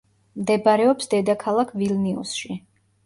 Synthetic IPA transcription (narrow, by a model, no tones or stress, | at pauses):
md̪ɛbaɾɛɔpsd̪ɛd̪akʰalˠakʰvilniṵsʃi